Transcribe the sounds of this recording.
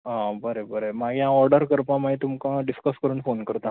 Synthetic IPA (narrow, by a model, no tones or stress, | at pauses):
ãbəɾebəɾemaɡʱjãɔɾɖəɾkəɾpãmaɦit̪umkãɖiskəskəɾuːnfonkəɾt̪a